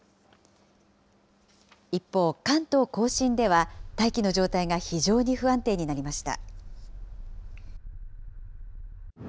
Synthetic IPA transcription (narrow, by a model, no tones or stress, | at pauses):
ipːo̞ːkãnt̪o̞ːko̞ːɕĩnd̪e̞β̞at̪aikʲino̞ʑo̞ːt̪aiɡaçiʑo̞ːɲ̟iɸɯ̟ãnt̪e̞ːɲ̟inaɾʲimaɕi̥t̪a̰